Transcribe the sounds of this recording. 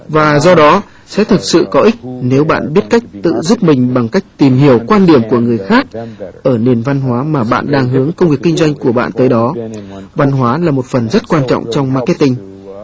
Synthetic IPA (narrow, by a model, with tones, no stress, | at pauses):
vaː˨˩zɔ˧ɗɔ˨˦ | sɛ̰˧˥t̪ʰɨ˨˩t̚sɨ̰˧˨kɔ˨˦ʔi˦˥k̟̚ne˨˦wɓa̰ː˧˨nɓi˦˥ət̚ka˦˥jk̚t̪ɨ̰˧˨zu˦˥p̚mï˨˩ŋ̟ɓa˨˩ŋka˦˥jk̟̚t̪i˨˩mhi˧˩əwkwaː˧nɗi˧˩əmku˧˩əŋɨ˨˩əjxaː˦˥k̚ʔəː˧˩ni˨˩ənva˧nɦwaː˨˦maː˨˩ɓa̰ː˧˨nɗaː˧ŋɦɨ˨˦əŋkə˧wŋ͡mvi˨˩əkːi˧ŋ̟zwa˧jŋ̟ku˧˩əɓa̰ː˧˨nt̪əː˨˦jɗɔ˨˦va˧nɦwaː˨˦laː˨˩mo˨˩t̚fə˨˩nzə˦˥t̚kwaː˧nt͡ɕɔ̰˧˨wŋ͡mt͡ɕɔ˧wŋ͡mmaː˧kɛ˦˥t̪ï˧ŋ̟